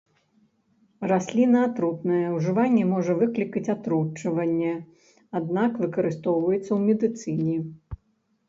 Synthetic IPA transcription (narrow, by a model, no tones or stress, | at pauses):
rasʲlʲinɐat̪ɾut̪nɐjɛwʐɨvanʲːɛmɔʐɐvɨklʲikɐt͡sʲat̪ɾut͡ʂːɐvɐnʲːɛ | ad̪nakvɨkɐɾɨst̪ɔwvɐjɛt̪sːɐwmʲɛd̪ɨt̪sɨnʲi